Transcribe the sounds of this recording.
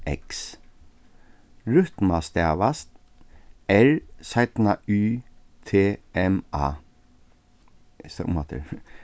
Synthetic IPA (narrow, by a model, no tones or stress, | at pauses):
ɛ̰ks | ɹʉt̪mast̪ɛːʋast̪ | ɛɹsaɪt̪nayː | t̪ʰeːɛmɑ̰ː | sɔ̰mat̪ʰɪ̰ɾ